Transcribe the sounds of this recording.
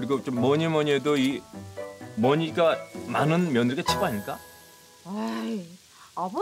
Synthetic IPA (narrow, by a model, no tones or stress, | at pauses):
ɯɾiɡot͡ɕomːʌɲimʌɲiedoi | mʌɲiɡamanɯnmjʌnɯɭɡat͡ɕʰiboaɲik͈a | a | ab